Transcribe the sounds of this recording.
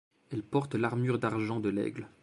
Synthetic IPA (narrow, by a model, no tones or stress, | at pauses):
ɛlpɔʁt̪laʁmyʁd̪aʁʒɑ̃d̪əlɛ̰ɡl